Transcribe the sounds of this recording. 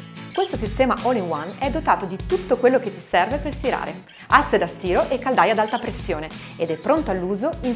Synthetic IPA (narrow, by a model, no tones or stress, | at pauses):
kwest̪os̬ist̪ɛːmaʔɔliwanɛd̪ːot̪aːt̪od̪it̪ut̪ːokwelːoket̪ːi̥sɛrveperst̪iɾa̰ːɾḛ | asːed̪ast̪iːɾoʔekːald̪ajad̪alt̪apɾesːjoːneed̪ɛpːɾont̪oalːuːzoin